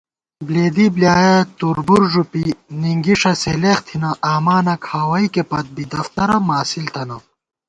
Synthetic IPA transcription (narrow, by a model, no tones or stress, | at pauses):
bleːd̪ibljaːjɐt̪uɾbuɾʐupiniŋɡiʂɐseleːxt̪ʰinɐʔaːmaːnɐkʰaːwɐikepɐt̪̚bid̪ɐft̪ɐɾɐmaːsilt̪ɐnɐ